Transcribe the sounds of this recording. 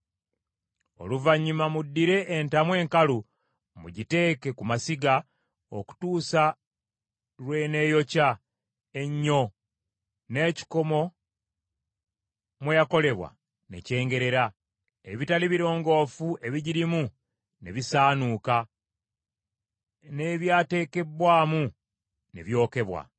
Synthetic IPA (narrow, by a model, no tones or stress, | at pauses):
o̞̰luvaɲːumamudːiɾe̞ʔːntamwe̞ːŋkalu | mṵɟite̞ːke̞kumasiɡa | o̞̰ku̥tuːsa | lwe̞ːne̞ːjo̞ca | e̞ɲːo̞ | ne̞ːci̥ko̞mo̞ | mwejako̞le̞βwa̰ | ne̞̰ce̞ːŋɡe̞ɾe̞ɾa | eβitaliβiɾo̞ːŋɡo̞ːfuʔe̞βiɟiɾimu | neβisaːnuːka | ne̞βjaːte̞ːke̞bwaːmu | nḛβjo̞ːke̞βwa̰